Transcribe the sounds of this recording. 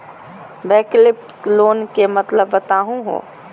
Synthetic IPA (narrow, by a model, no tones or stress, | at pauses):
bɛːklɪp̚ʈloːnkemɐt̪ləbːɐt̪aːɦũɦo̰ː